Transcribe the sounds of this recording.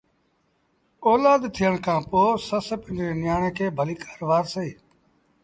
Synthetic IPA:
oːlaːd̪t̪ʰɪjəɳ̃kʰãːpoːsəsəpɪ̃ɳd͡ʒɾẽːnɪjaːɳeːkʰeːbʱəliːkʰḁːɾʋaːɾseiː

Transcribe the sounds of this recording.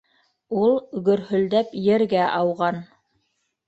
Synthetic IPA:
ulˠɵɡɵ̆ɾhɵ̆ld̪æpjɘ̆ɾɡæʔɑwʁɑn

